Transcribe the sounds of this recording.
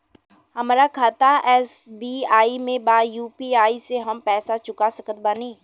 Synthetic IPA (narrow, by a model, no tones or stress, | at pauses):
ɦɐmaːɾakʰaːt̪aɛːsbiːaːimẽbaːjuːpiaːiseɦɐmpɛːsat͡ʃʊkasəkət̪̚baːniː